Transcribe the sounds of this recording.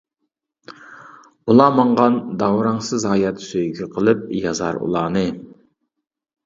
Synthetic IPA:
ulˠɑmɑɴʁɑnd̪ɑwɾɑŋsɨzhɑːjɑt̪søjɡʲyqʰəlˠɨp̚jɑzɑ̰ɾṵlˠɑːnɨ

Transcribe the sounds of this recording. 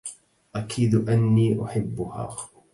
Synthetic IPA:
ʔakʰiːd̪ʔanːiːʔʊħɪbːʊha̰ː

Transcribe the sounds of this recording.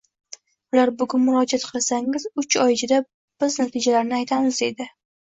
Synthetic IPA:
ʊlaɾbʊɡʲʊnmʊɾɒd͡ʒat̪qʰɨlˠasaŋɪzʊt͡ʃɒjɪt͡ʃʰɪd̪a | b̥ɪznat̪ʰɪd͡ʒalaɾnɪajt̪ʰamɪze̞d̪ɪ

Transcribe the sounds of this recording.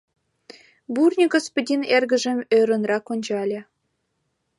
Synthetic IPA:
burnʲiɡospodʲinerɡə̆ʒə̆møɾə̆nrɑkonʲd͡ʑɑlʲĕ

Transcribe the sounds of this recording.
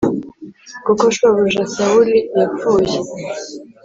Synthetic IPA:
kukoʃwaβuʒasawulijafuːje

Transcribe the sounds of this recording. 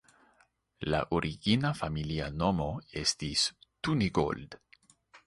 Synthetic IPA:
la̰ʔoɾʔiɡinafamiliano̞mo̞e̞st̪istuniɡo̰ld̪̥

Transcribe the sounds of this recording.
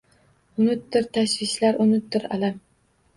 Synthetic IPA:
ʊnʊt̪d̪ɪɾt̪ʰaʃvɪʃlaɾʔʊnɪt̪̚ːɪɾa̰lam

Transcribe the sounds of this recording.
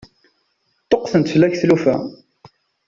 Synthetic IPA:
t̪ˤːoqθənt̪fəlːæçθlufæ̰

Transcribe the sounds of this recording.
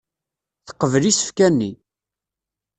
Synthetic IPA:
θə̥qːəvlisə̥fkænːi

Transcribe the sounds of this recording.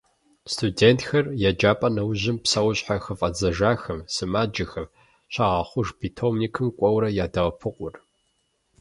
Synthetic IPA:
stʰudeːntxɐrjad͡ʒaːpʼɐnɐwʑɪmpsɐwɕʼħaxɨfʼɐd͡zɐʒaːxɐmsɨmaːd͡ʒɐxɐm | ɕɐʁɑːχʷʊʐbiːtʰomnikʰɨmkʷʼɔwɾɐjaːdɐʁɐpʰɨqʷʼʊr

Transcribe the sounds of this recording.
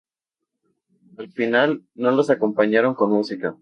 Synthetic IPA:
alfinalno̞losako̞mpaɲaɾo̞ŋko̞nmusika

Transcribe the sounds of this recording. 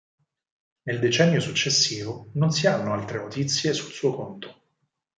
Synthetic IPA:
neld̪et͡ʃɛnːjosut͡ʃːesːiːvononsianːoalt̪ɾenot̪it̪sːjesulsuːokont̪o̥

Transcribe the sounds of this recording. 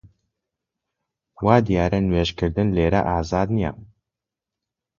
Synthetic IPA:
waːd̪ijaːɾɐnweːʒkʰɨɾd̪ɨnleːɾɐ̰ʔaːzaːd̪nija̰m

